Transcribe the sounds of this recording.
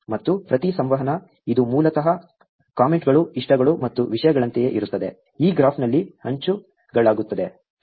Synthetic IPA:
mɐt̪ːupɾɐt̪isɐmʋɐɦɐnɐ | id̪umuːlɐt̪ɐɦɐ | kaːmeɳʈɡɐɭuiʂʈɐɡɐɭumɐt̪ːuʋiʂɐjɐɡɐɭɐnt̪eje̞ʔiɾut̪ːɐd̪e̞ | iːɡɾaːpʰnɐlːihɐɲt͡ʃu | ɡɐɭaːɡut̪ːɐd̪e̞

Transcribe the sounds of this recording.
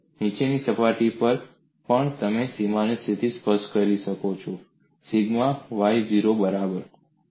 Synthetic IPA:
nit͡ʃenisəpaʈipəɾ | pəɳt̪əmesimanist̪ʰit̪ispəʃʈkəɾiʃəkot͡ʃʰo | siɡmaʋajd͡ʒiɾobəɾabəɾ

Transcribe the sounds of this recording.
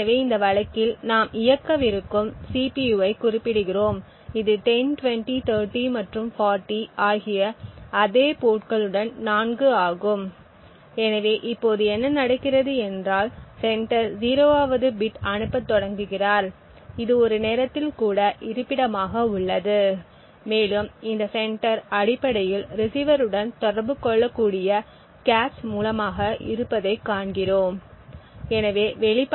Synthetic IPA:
ɐʋeːɪnd̪ɐʋɐɭɐkːɪlnaːmɪjɐkːɐʋɪɾɯkːɯmsiːpijuːɐɪkʊrɪpːɪɽɯɣɪroːm | ɪðɯʈɛnʈʊʋɛɳʈit̪ʰɐːɾʈimɐʈrɯmfaːɾʈːiaːɣɪjɐɐðeːpoːʈkɐɭɯɽɐnnaːnɡɯaːɣɯm | ɛnɐʋeːʔɪpːoːðɯɛnːɐnɐɽɐkːɪrɐðɯɛndraːlsɛɳʈɐɾziːɾoːaːʋɐðɯbɪʈɐɳɯpːɐt̪ːɔɽɐŋɡɯɣɪraːɾ | ɪðɯɔɾɯneːɾɐt̪ːɪlkuːɽɐʔɪɾɯpːɪɽɐmaːɣɐʊɭːɐðɯ | meːɭɯmɪnd̪ɐsɛɳʈɐɾɐɽɪpːɐɽɐjɪlɾɪsiːʋɐɾɯɽɐnt̪ɔɽɐɾbɯkːɔɭːɐkːuːɽɪjɐ | kaːʈsmuːlɐmaːɣɐʔɪ̰ɾɯpːɐðɐɪkːaːɳɡɪroːm | ɛnɐʋeːʋɛɭɪp

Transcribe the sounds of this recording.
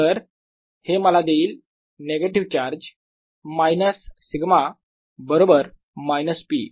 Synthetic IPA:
əɾ | heməlad̪eiːl | neɡeʈiʋt͡ɕaɾd͡ʑ | majnəsː | iɡma | bəɾobəɾ | majnəspḭ

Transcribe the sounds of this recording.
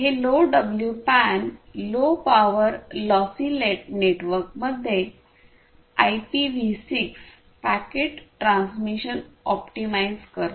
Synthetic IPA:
ɦeloɖəbljupænlopaʋəɾlɔsileʈ̚neʈʋəɾk̚məd̪ʱːe | ajpiʋisiks | pækeʈʈɾãnsmiɕənɔpʈimajzkəɾ

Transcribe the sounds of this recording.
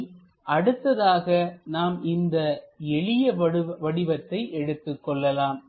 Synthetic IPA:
ʔɐɽɯt̪ːɐðaːɣɐnaːmɪnd̪ɐɛɭɪjɐʋɐɽɪʋɐt̪ːɐɪʔɛɽɯt̪ːɯkːɔɭːɐlaːm

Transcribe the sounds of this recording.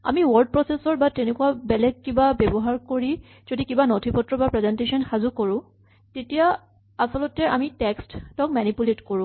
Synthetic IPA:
a̰miwɔɹɖ̚pɹɔsesɔɹbatenekuwabɛlɛɡ̚kibabɛbɔɦaɹkoɹi | z̥odikibanɔtʰipɔtɹɔbapɹɛzɛntesɔnxazukoɹʊ̃ | tetija | asɔlɔtɛa̰mitɛksttɔk̚manipuletkoɹʊ̃

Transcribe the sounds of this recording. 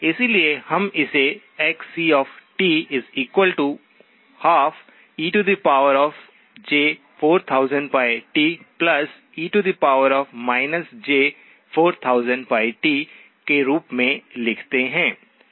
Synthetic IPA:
ɪsiliehɐmɪse | ɛksiːɔːfʈiːɪziːkwəlʈu | haːf | iːʈud̪ipaːʊəɾɔːf | d͡ʒeː | foːɾt̪ʰaːʊzə̃ɳɖpaːɪʈiːplɐs | iːʈud̪ipaːʊəɾɔːfmaːɪnəsd͡ʒeː | foːɾt̪ʰaːʊzə̃ɳɖ̚paːɪʈiː | keɾuːpmẽlɪkʰt̪eɦɛ̃ː

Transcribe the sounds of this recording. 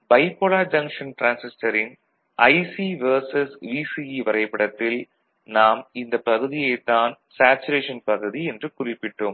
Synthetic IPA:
bɐɪpːolaːd͡ʒɐŋkʂɐnʈɾaːnsɪsʈɐɾɪn | ɐɪsiʋɐɾsɐsʋiːsiiʋɐɾɐɪpːɐɽɐt̪ːɪl | naːmɪnd̪ɐpːɐɣɯðɪjɛɪt̪ːaːn | saːt͡ʃʊɾeːʂɐnpɐɣɯðiɛndrɯkʊrɪpːɪʈːoːm

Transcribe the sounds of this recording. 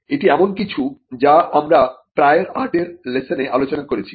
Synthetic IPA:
eʈiɛmonkit͡ɕʰud͡ʑaʔamɾapɾaeɾaɾʈeɾlesoneʔalot͡ɕonakoɾet͡ɕʰi̥

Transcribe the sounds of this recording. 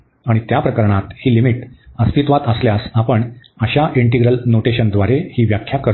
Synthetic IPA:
aɽ̃it̪japɾəkəɾɳat̪hiːlimiʈəst̪ʰit̪ʋat̪əsljasapəɳ | əɕaʔiɳʈiɡɾəlnoʈeɕənd̪ʋaɾehiːʋjakʰjakəɾ

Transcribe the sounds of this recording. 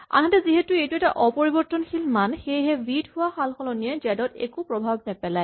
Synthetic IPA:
a̰nɦatɛziɦetʊejtuɛtaʔɔpoɹibɔɹtːɔnxʰilmanxejɦɛbidɦʊwaxalxɔlɔniɛd͡ʒɛdɔtɛ̰kupɹɔbʱabnɛpɛlaj

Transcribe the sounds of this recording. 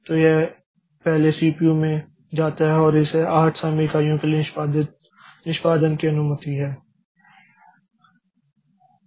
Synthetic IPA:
t̪oːje | pɛɦlesiːpiumẽ | d͡ʒaːt̪aɦɛɔːɾɪseʔaːʈʰsãːmiːkaːijõkeli | nɪʃpaːd̪ənkiɐnumət̪iɦɛː

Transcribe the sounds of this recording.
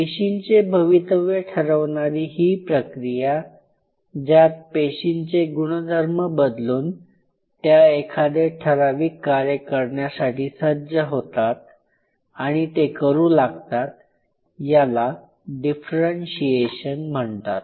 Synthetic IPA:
peɕint͡sebʱəʋit̪əʋeʈʰəɾəʋɳaɾiːɦiːpɾəkɾija | d͡ʑjat̪̚peɕint͡seɡuɽ̃əd̪ʱəɾməbəd̪luːn | t̪jaekʰad̪eʈʰəɾaʋiːkːaɾjəkəɾɳjasaʈiːsəd͡ʑəɦot̪at̪̚ | aɽ̃it̪ekəɾuːlaɡt̪at̪̚ | jala | ɖifɾənɕieɕənm̤əɳt̪a̰t̪̚

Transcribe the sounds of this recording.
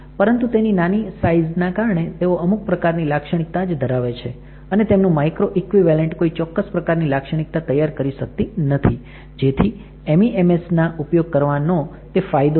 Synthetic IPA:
pəɾənt̪ut̪eninanisaiznakaɾəɳet̪eoʔəmuk̚pɾəkaɾnilakʃəɽ̃ik̚t̪ad͡ʒd̪ʱəɾaʋet͡ʃʰe | ənet̪emnũmajkɾoʔikʋiʋɛleɳʈkoit͡ʃɔkːəspɾəkaɾnilakʃəɽ̃ik̚t̪at̪əjːaɾkəɾiʃək̚t̪inət̪ʰi | d͡ʒet̪ʰi | emiʔemesnaʔupjoɡ̚kəɾʋano | t̪efajd̪o

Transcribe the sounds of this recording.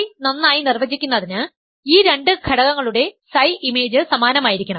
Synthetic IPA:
nɐnːaːjinirʋɐd͡ʑikʲːunːɐðinɨ | iːɾe̞ɳɖɨkʰɐɽɐɣɐŋːɐɭuɽe̞sɐjime̞ːd͡ʑɨsɐmaːnɐmaːjiɾikʲːɐɳɐm

